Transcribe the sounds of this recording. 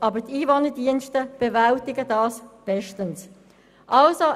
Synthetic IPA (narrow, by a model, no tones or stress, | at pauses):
ʔɑːbətiːvɔnədiənʃtəb̥evaltɪɡədɑːsb̥ɛʃtəns | ʔɑlso